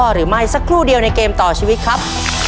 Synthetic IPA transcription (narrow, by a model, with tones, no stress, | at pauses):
ɔː˧ɾɯː˩˦ma˥˩jsa˦˥kʰɾuː˥˩di˧əwna˧jkeː˧mt̪ɔː˨˩t͡ɕʰiː˧wi˦˥t̪̚kʰɾa˦˥p̚